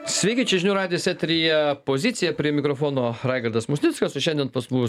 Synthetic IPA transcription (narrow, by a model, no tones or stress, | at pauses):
sʲʋʲɛɪkʲit͡ʃʲɛʒʲɪnʲuːɾɑːdʲɪjɛsʲɛt̪ʲɾʲijɛpoːzʲit̪sʲɪjɛpʲɾʲiɛmʲɪkɾofoːnoːɾɑɪɡɐɾd̪ɐsmʊsʲnʲɪtskɐsoʃʲɛnʲd̪ʲɛnpɐsbu